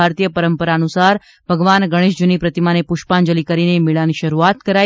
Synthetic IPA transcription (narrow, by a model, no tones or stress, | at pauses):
aɾt̪ijəpəɾəmpəɾaənusaɾ | bʱəɡʋanɡəɽ̃eʃd͡ʒunipɾət̪imanepʊʃʈpand͡ʒəlikəɾinemɪɭaniʃəɾuat̪kəɾa